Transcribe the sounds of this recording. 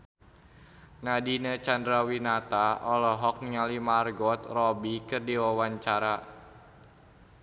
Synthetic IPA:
nadinət͡ʃandɾawinat̪aʔɔlɔɦɔk̚niŋalimarɡɔt̪rɔbikɨrdiwawaɲt͡ʃaɾa

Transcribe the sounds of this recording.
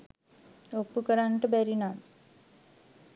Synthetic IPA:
opːukəɾanʈəbæɾinam

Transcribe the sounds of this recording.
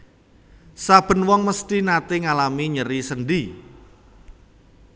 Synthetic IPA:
sab̥ə̤nwɔŋməst̪inat̪ɪŋalamiɲəɾisənɖi

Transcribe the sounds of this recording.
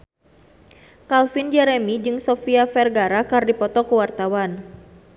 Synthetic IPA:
kalfind͡ʒɛɾɛmid͡ʒɨŋsɔfiafɛrɡaɾakardipɔt̪ɔkuwart̪awan

